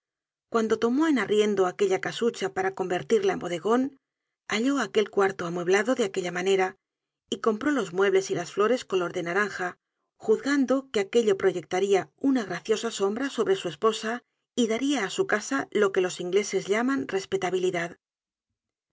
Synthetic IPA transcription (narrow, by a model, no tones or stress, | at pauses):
kwand̪o̞t̪o̞mo̞enarje̞nd̪oake̞ʎakasut͡ʃapaɾako̞mbe̞ɾt̪iɾlaembo̞ðe̞ɣo̞n | aʎo̞ake̞lkwaɾt̪oamwe̞βlaðo̞ðeakeʎamaneɾa | iko̞mpɾo̞lo̞zmwe̞βle̞silasflo̞ɾe̞sko̞lo̞ɾðe̞naɾaŋxa | xuðɣand̪o̞keake̞ʎo̞pɾo̞ʝe̞k̚t̪aɾiaunaɣɾaθjo̞saso̞mbɾaso̞βɾe̞sue̞spo̞sa | iðaɾiaːsukasalo̞ke̞lo̞siŋɡle̞se̞zʎamanre̞spe̞t̪aβ̞iliðað